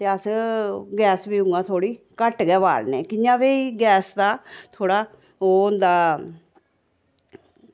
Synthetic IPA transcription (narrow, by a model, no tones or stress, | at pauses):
t̪eːəsɡɛːsbiːʊ̃ŋɡãːt̪ʰoːɽiː | kəʈɡɛːʋa̰ːlneːkɪjãːʋeːiːɡɛːsd̪aːt̪ʰoːɽaː | oːʊnd̪aː